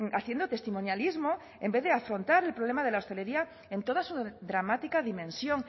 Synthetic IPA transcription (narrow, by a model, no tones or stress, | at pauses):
aθje̞nd̪ot̪e̞st̪imonjalizmo | e̞mbe̞ðeafɾo̞nt̪aɾe̞lpɾoβle̞maðe̞lao̞st̪e̞le̞ɾia | e̞nt̪o̞ð̞asuðɾamat̪ikaðimẽ̞nsjo̞ŋ